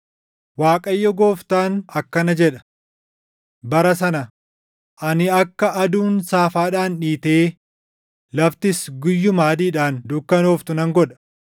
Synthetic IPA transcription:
waːkʼɐjːɔɡo̞ːft̪aːnɐkːɐnɐd͡ʒɛᶑɐ̥ | bɐɾɐsɐnɐ | ʔɐnɪɐkːɐʔɐd̪uːnsaːfaːᶑaːnᶑiːt̪eː | lɐft̪ɪsɡʊjːʊmaːd̪iːᶑaːnd̪ʊkːɐnoːft̪ʊnɐŋɡɔᶑɐ̥

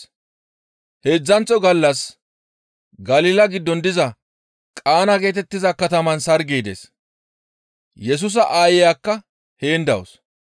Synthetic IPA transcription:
he̞ːd͡zːɐnt͡sʼːɔɡɐlːɐs | ɡɐliːlɐɡɪd̪ːɔnd̪ɪzɐ | kʼaːnɐɡe̞ːt̪̬ɛt̪ːɪzɐkɐt̪ɐmɐnsɐɾɡiːd̪ḛːs | jɛs̬ʊs̬ɐʔaːjɛjaːkːɐ | heːnd̪ɐwo̰s

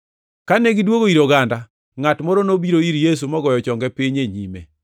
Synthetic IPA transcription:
kanɛɡɪdwoɡoiɾoɡanda | ŋatmɔɾonobiɾoiɾjes̬umɔɡɔjɔt͡ʃɔŋɡɛpiɲeɲimḛ

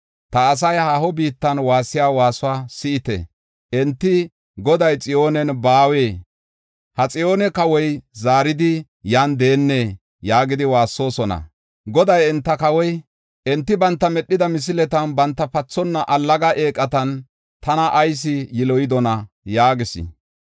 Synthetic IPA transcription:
t̪ɐːs̬ɐjhaːhɔbiːt̪ːɐnwaːsːɪjaːwaːsʊwaːsɪʔɪt̪ɛ̰ | ʔɛnt̪ːɪ | ɡɔd̪ɐjt͡sʼɪjo̞ːnɛnbaːweː | hɐt͡sʼɪjoːnɛkɐwɔjzaːɾɪd̪ɪ | jaːnd̪e̞ːnːe̞ː | jaːɡɪd̪ɪwaːsːo̞ːsɔnɐ̰ | ɡɔd̪ɐjɛnt̪ːɐkɐwɔj | ʔɛnt̪ːɪbɐnt̪ːɐmɛɗːɪd̪ɐmɪs̬ɪlɛt̪ɐnbɐnt̪ːɐpɐt͡sːɔnːɐʔɐlːɐɡɐʔeːkʼːɐt̪ɐn | t̪ɐnɐʔːjs̬ɪjɪlɔjɪd̪ɔnɐ | jaːɡɪsɪ̰

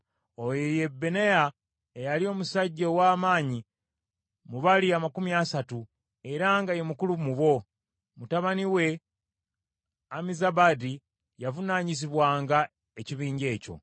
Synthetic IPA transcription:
ojeje̞bːeneja | ejalio̞ːmusaɟːowaːmaːɲi | muβaliamakumijasatu | e̞ɾaŋɡaje̞mukulumuβo̞ | mutaβaniwe̞ | amizaβadi | javunaɲisiβwaːŋɡa | eciβiːɲɟe̞ːco̞̰

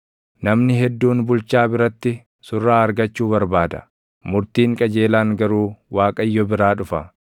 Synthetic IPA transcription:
nɐmnɪɦɛd̪ːuːnbʊlt͡ʃaːbɪɾɐt̪ːɪ | sʊrːaːɐɾɡɐt͡ʃːuːβɐɾbaːd̪ɐ̥̰ | mʊɾt̪iːŋkʼɐd͡ʒe̞ːlaːŋɡɐɾuːwaːkʼɐjːɔbɪɾaːᶑʊfɐ

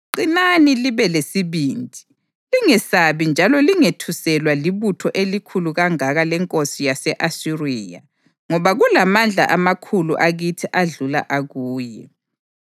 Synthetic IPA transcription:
ǃinaniliβɛlesiβiːndʱʼi̥ | liŋɛsaβind͡ʒʱalɔliŋetʰusɛlwaliβutʰɔʔelikʰuluɣaŋaɣalɛŋkʼosijasɛʔasiriːja̰ | ŋɔβaɣulamand͡ɮʱa̰ʔamakʰulṵʔaɣitʰiʔaɮula̰ʔaɣuːjɛ

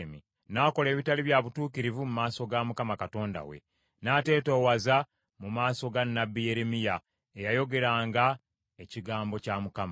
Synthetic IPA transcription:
mi | naːko̞le̞ːβitaliβjaβutuːkiɾivumumaːso̞ɡamukamakato̞ːnda̰wḛ | naːte̞ːtoːwaza | mumaːso̞ɡanːabːije̞ɾemija | ejajo̞ɡe̞ɾaːŋɡa | eciɡaːmbo̞camukama

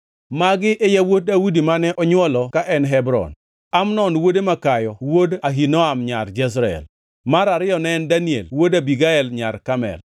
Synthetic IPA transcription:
maɡɪʔejawot̚dawudimanɛʔɔɲwɔlɔkaʔɛnɦɛbɾɔ̰n | amnɔnwodemakajɔwodaɦinɔamɲard͡ʒɛs̬ɾaɛ̰l | maɾaɾɪjɔnɛndaniḛlwodabiɡaɛlɲaɾkamɛ̰l

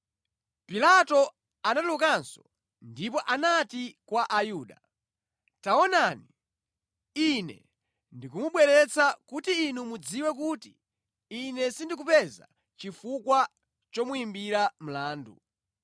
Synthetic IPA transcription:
pilatɔ | anatlukansɔ | ndip̬ɔʔanatikwaʔajuːɗa | taɔnani | inɛ̰ | ndikumuɓwɛɾɛt͡sakutiːnumud͡ziwɛk̬uːtiː | nɛsindik̬upɛza̰ | t͡ʃifukwa | t͡ʃɔmuimbiɾam̩laːndṵ

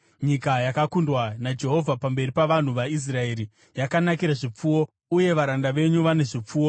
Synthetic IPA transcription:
ɲikajakakundwanad͡ʒe̞ɦo̞vʱapambe̞ripaʋan̤uʋais̬rae̞ːɾi | jakanakiɾaʐip͡fuwo̞ | uje̞ʋaɾandaʋe̞ɲuʋane̞ʐip͡fuːwo

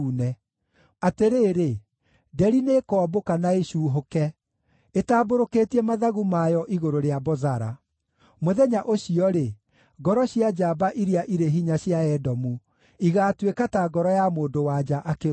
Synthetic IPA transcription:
unɛ | ateɾeːɾe | dɛɾinekɔːbokanaeɕuːɦokɛ | etaːboɾokeːtiɛmaðaɣumajɔʔiɣoɾoɾeabɔzaɾa̰ | moðɛɲaʔoɕiɔɾe | ɡɔɾɔɕjad͡ʒabaʔiɾiaʔiɾeɦiɲaɕjaɛdɔmu | iɣaːtwekataɡɔɾɔjamoːndowad͡ʒaʔake

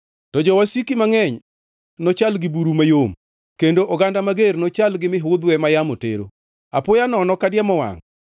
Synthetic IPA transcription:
tɔd͡ʒɔwasikimaŋɛɲ | nɔt͡ʃalɡɪbuɾumajom | kendoʔɔɡandamaɡeɾnot͡ʃalɡɪmɪɦʊd̪wɛmajamotḛɾo̰ | apʊjanɔnɔkadjamɔwa̰ŋ

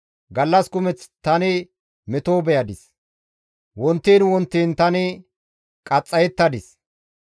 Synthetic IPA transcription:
ɡɐlːɐskʊmɛt͡st̪ɐnɪ | mɛt̪oːbɛjɐd̪ɪs | wɔnt̪ːiːnwɔnt̪ːiːnt̪ɐnɪ | kʼɐt͡sʼːɐjɛt̪ːɐd̪ɪs

